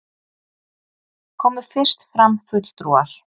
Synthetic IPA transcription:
kʰɔːmʏ̥fɪr̥st̪fɾamfʏt̪l̥t̪ɾuːaɾ̥

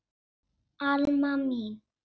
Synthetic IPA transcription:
aləmami

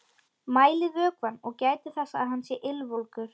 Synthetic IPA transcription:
maːjlɪvœːkvanːɔɣcaːjt̪ʏ̥θasːaːðɦanːsjɛɾʔɪlvɔlkʏɾ̥

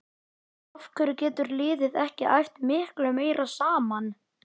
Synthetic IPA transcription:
afkʰvɛɾʏcɛːt̪ʏɾlɪːðɪðɛhcɪʔa̰jft̪mɪhklœmeːjɾʔasaːman

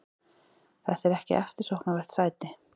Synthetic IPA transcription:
θḁt̪ɛɾɛhcɪ̰ʔɛ̰ft̪ɪɾ̥sowhknavɛr̥t̪saːjt̪ɪ

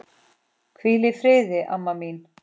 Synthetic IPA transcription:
kʰilefɾeːzeʔɐ̰mːɐmiːn

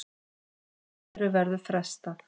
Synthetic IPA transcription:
ɾʏvɛɾðʏfɾɛst̪a

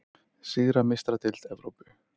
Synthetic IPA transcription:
siːðɾamɪst̪ɾat̪ɪl̥t̪ɛvɾowpʏ̥

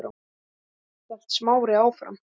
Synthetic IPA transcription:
ɾa̰ | ɛl̥t̪smaːwɾɪaːwfɾa̰m

